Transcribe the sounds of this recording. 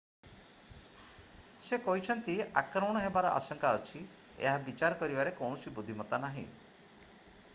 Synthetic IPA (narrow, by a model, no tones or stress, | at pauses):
sekɔɦit͡ʃʰɔnt̪iakɾɔmɔɽ̃ɔɦebaɾɔʔa̰sɔŋkaɔt͡ʃʰi | ḛɦabit͡ʃaɾɔkɔɾibaɾekɔwɳ̃ɔsibud̪ʱimɔt̪anaɦḭ̃